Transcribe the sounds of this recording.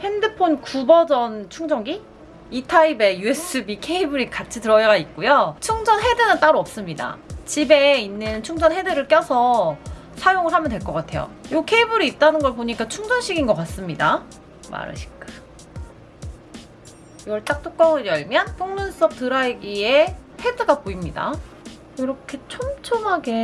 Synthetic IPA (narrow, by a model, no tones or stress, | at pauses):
he̞ndɯpʰonkubʌd͡ʑʌnt͡ɕʰuŋd͡ʑʰʌŋɡi | itʰaibe̞jues͈ʰɯbikʰe̞ibɯɾikat͡ɕʰitɯɾʌjaɡait̚k͈ujot͡ɕʰuŋd͡ʑʌnɦe̞dɯnɯnt͈aɾoʌp̚s͈ɯmɲida̰t͡ɕibe̞inːɯnt͡ɕʰuŋd͡ʑʌnɦe̞dɯɾɯɭk͈jʌsʰʌ | sʰajoŋɯɭɦhamjʌndwe̞ɭk͈ʌk͈atʰe̞jo̰jokʰe̞ibɯɾiːt̚t͈anɯnɡʌɭpoɲik͈at͡ɕʰuŋd͡ʑʌnɕ͈ʰiɡinɡʌk͈as͈ɯmɲida | ma̰ɾɯ̰ɕʰi̥k͈ɯa | iɡʌɭt͈ak̚t͈ʰok͈ʌŋɯɾjʌɭmjʌnpʰoŋnuns͈ʌp̚tɯɾaɭɡiehe̞deɡapoimɲida̰ | oɾʌkʰe̞t͡ɕʰomt͡ɕʰomɦaɡe̞